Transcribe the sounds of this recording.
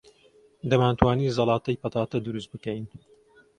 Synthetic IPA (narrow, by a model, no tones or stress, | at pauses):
d̪ɐmaːnt̪ʰwaːniːzɑlɑːt̪ɐjpɐt̪aːt̪ɐd̪uɾust̪̚bɨkɛjn